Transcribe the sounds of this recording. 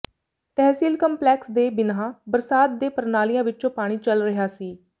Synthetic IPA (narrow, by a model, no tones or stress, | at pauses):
t̪ɛːsiːlkəmplɛːksd̪eːbɪnãːbəɾsaːt̪̚d̪eːpəɾnaːlijãːʋɪtːt͡ʃõːpaːɽ̃iːt͡ʃəlɾəɦaːsiː